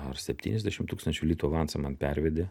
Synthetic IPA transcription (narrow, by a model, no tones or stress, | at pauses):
ɐɾsʲɛpʲt̪ʲiːnʲɛzʲd̪ʲæʃʲɪmt̪uːkst̪ɐnʲt͡ʃʲʊlʲiːt̪uɐʋɑntsɐmɐnpʲɛɾʲʋʲɛd̪ʲe